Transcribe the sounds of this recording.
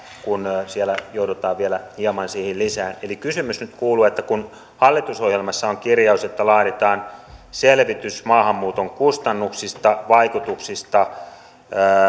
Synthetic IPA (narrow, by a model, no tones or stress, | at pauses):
kunsielæjoudot̪ɑːʋʋielæhiɑmɑnsiːhillisæːnelikysymysnyt̪kuːluːet̪ːækun | hɑlːit̪usohjelmɑsːɑoŋkirjɑuset̪ːælɑːɾet̪ɑːnselʋit̪ysmɑːhɑmːuːt̪oŋkust̪ɑnːuksist̪ɑʋɑikut̪uksist̪ɑː